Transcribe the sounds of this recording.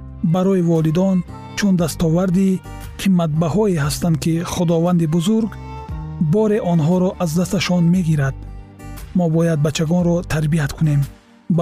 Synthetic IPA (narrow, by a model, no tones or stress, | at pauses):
baɾɔivɔlid̪ɔn | t͡ʃʰund̪ast̪ɔvaɾd̪i | qʰimːat̪̚bahɔeɦast̪and̪kiχud̪ɔvand̪ibuzuɾɡ | bɔɾeʔɔnɦɔɾɔʔazd̪ast̪aʃɔnme̞ɡiɾad̪̥̚ | mɔbɔjad̪̚bat͡ʃʰːaɡɔnɾɔt̪ʰaɾbiat̪kʰune̞m